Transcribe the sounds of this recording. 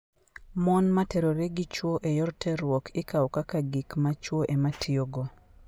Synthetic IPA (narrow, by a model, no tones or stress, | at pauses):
mɔnmatɛɾoɾeɡit͡ʃwoʔejɔrtʰɛɾwɔkɪkaɔkakaɡikmat͡ʃwoʔematʰɪoɡo